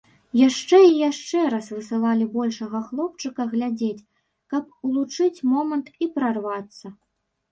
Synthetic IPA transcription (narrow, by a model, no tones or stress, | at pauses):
jaʂt͡ʂɛijaʂt͡ʂɛɾasvɨsɨlˠalʲibɔlʲʂɐɣɐxlˠɔp̚t͡ʂɨkɐɣlʲad͡zʲet͡sʲ | kɐpulˠut͡ʂɨt͡sʲmɔmɐnt̪ipɾarvat̪sːɐ